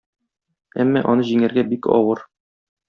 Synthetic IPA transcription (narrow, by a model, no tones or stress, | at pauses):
æ̰mːæʔɒnɤʑiŋæ̆ɾɡæbikɒ̰wɤɾ